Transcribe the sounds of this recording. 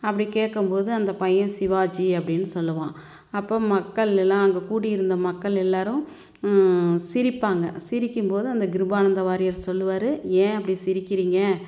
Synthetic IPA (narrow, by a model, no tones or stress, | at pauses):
ɐpːɐɽikeːʈkːɯmpoːðɯɐnd̪ɐpɐjɐ̃sɪʋaːd͡ʒiɐpːɐɽɪnːɯsɔlːɯʋãː | ɐpːoːmɐkːɐɭɛlːãːɐŋɡɐkuːɽɪjɪɾɯnd̪ɐmɐkːɐɭɛlːaːɾɯ̃ | sɪɾɪpːaːŋɡɐsɪɾɪkːɯmpoːðɯɐnd̪ɐɡɪɾɯbaːnɐnd̪ɐʋaːɾɪjɐɾsɔlːɯʋaːɾɯẽːɐp̬ːɐɽisɪɾɪkːɪɾiːŋɡɐ